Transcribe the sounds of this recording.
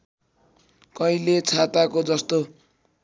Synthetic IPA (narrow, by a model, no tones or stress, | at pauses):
kʌilet͡sʰat̪akod͡zʌst̪o